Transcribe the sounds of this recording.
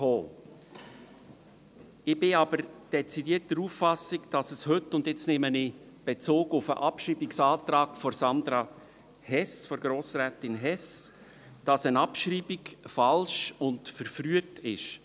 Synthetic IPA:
oː | ɪb̥ɪɑbəɾd̥ɛt͡sidiət̚d̥əɾuːfːɑsɪkd̥ɑsəshɵtːʊndjɪt͡snemənɪ | b̥et͡soːɡʊfə̰ʔɑpʃriːbiksɑːtɾɑːkfɔɾsɑnd̪ɾɑ | hɛsfɔɾɡ̥ɾoːsɾæːtɪnɦɛs | d̥ɑsənɑpʃriːbikfɑlʃʊntfəɾfɾyətɪʃ

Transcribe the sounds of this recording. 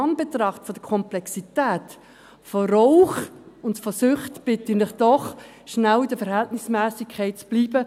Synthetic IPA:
ɑnb̥etrɑχtfɔdəkʰɔmplɛksitæːt | fɔrɔʊχʊntfɔsʏχtb̥ɪtinlɪχd̥ɔχ | ʃnæwɪdəfəɾhɛltnɪsmæːsikʰːɛɪt̚t͡sb̥liːbə

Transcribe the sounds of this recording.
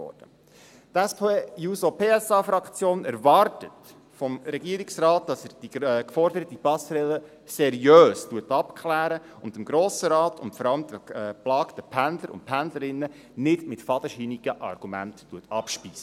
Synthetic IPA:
ɔ̰d̥ə | t̪ɛspʰejusopʰeːɛsɑːfɾɑkt͡sjoːnɛɾvɑrtət | fɔmɾɛɡiəɾiksɾɑːt̚d̥ɑsɛɾd̥ikfɔɾdəɾətipɑsɾɛlə | sɛɾjøːstuətɑpkχlæːɾə | ʊndəmɡɾoːsəɾɑːtʊntfɔɾɑləmd̪əplɑːktəpʰændləɾʊ̰nt̚pʰændləɾɪnːə | nɪdmɪtfɑd̥əʃiːniɡ̥əʔɑ̰rɡ̥umæ̰ntːuətɑpʃpiːsə

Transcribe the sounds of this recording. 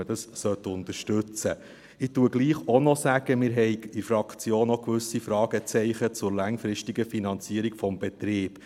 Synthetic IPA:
əd̥ɑssœt̪ʊnt̪əɾʃtʉt͡sə | ɪtuəɡ̥liːχɔnɔsæɡ̥əmɪːɾɦɛjɪɾfɾɑkʰt͡sjoːnɔkʋʉsifɾɑːɡ̥ət͡sɛɪχət͡sʊɾlɑŋfɾɪʃtiɡəfinɑnt͡siəɾiɡfɔmb̥ɛt̪ɾɪːb

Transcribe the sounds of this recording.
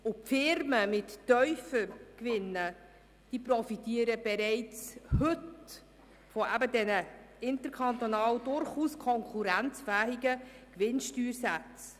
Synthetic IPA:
ʊpfɪɾməmɪtːœʏfəkʋɪnːə | d̥iːprɔfitiːəɾəb̥ɛɾɛɪt͡shɵt | fɔʔæbədɛnə | ɪntəɾkʰɑnt̪onɑːwdʊɾχuːskʰɔŋkʰuɾænt͡sfæːɦɪɡəkʋɪnʃtyːɾsæt͡s

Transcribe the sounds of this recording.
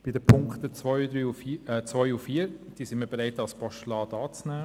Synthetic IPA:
b̥ɪdəpʰʊŋkt̪ət͡sʋɔjud̪ɾyːufit͡sʋɔʏufiːəɾd̥iːsɪnməɾbeɾaɪtɑlspɑʃtlɑːdɑːt͡snæː

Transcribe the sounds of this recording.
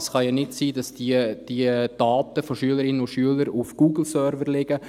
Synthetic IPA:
sχɑjɑnɪtsiːdɑsd̥id̥iəd̥ɑːtəfɔʃyələɾɪnəʊʃyələɾufɡ̥uːɡl̩sœɾvərlɪɡ̥ə

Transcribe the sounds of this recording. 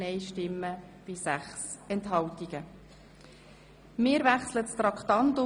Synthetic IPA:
ɛjʃtɪmːə | b̥ɪsæχsɛntɦɑwtiɡ̥ə | mɪːɾʋæχslətst̪ɾɑkχt̪ɑntʊ

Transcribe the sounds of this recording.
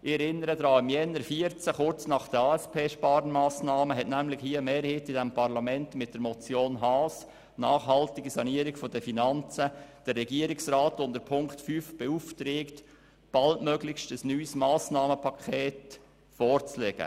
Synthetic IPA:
ɪɛɾɪnːəɾədɾɑːɪmjɛnːəɾfiəɾt͡səχʊɾt͡snɑχd̥əɑːɛspʰeːʃpɑːɾnmɑːsnɑːməɦɛtnæmlɪxhiːəmeːɾhitɪdɛmpʰɑɾlɑmɛntmɪt̚d̥əɾmɔt͡sjoːnɦɑːs | nɑːχɦɑltɪɡisɑniəɾiɡfɔdəfinɑnt͡səd̥ərːɛɡiəɾɪksrɑːtʊndəɾpʰʊŋktfyːfb̥ɛuft̪ɾeːkt | b̥ɑltmœɡlɪçʃtəsnyːsmɑːsnɑːməpʰɑkʰeːt | fɔːrt͡slɛɡ̥ə̰

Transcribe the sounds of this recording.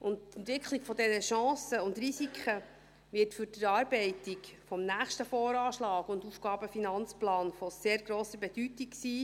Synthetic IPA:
ʔʊntt̪ɛntʋɪkʰliɡfɔdɛnəʃɑ̃ːsəʊndɾisikχə | ʋɪɾtfʏɾd̥əɾɑːɾbɛɪtikfɔmnæːχʃtəfɔːɾɑːʃlɑːɡʊndufɡ̥ɑːbəfinɑnt͡splɑːnfɔseːɾɡɾoːsəbɛd̥ytiksiː

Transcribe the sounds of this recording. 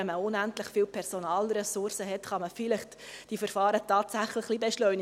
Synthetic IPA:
ɛməʊnæntlɪχfiːlpʰɛɾsonɑːlɾɛsʊɾsəɦɛtχɑməfilɪχt | d̥ifəɾfɑːɾətɑːtsæχləχlibɛʃlœʏn

